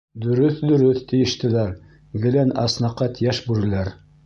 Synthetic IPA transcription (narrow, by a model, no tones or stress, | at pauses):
d̪ɵ̆ɾɵθd̪ɵ̆ɾɘθt̪ĭjɘ̆ʃt̪ɘ̆læɾ | ɡɘ̆lænɑsnɑqːɑt̪jæʃbʉɾɘ̆læɾ